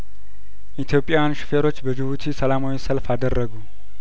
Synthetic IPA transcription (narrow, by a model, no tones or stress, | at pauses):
ʔit̪ʰjo̞pʼːjaanʃɪ̥feɾo̞t͡ʃːbəd͡ʒɨβut̪ʰisəlamawisəlfad̪ərːəɡu